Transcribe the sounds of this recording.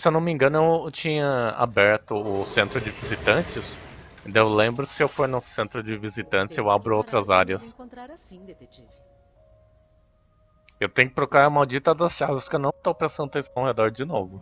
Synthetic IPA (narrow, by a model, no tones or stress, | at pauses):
sewnɐ̃mĩŋɡɐ̃nʊewt͡ʃĩɲɐa̰bɛɾt̪ʊʊsẽnt̪ɾʊd͡ʒɪvizit̪ɐ̃t͡ʃɪs | ẽd̪ɐ̃w̃ewlẽmbɾʊsɪewfoɾnʊsẽnt̪ɾʊd͡ʒɪvizit̪ɐ̃nt͡ʃɪ̥sewabɾʊowt̪ɾɐzaɾjɐs | ewt̪ẽj̃ʊkɪ̥p̪ɾokuɾaɾɐmawd͡ʒit̪ɐd̪ɐsʃaɾvɐskɪewnɐ̃w̃t̪owpɾesɐ̃nd̪ʊt̪ẽswhed̪ɔɾd͡ʒɪnovʊ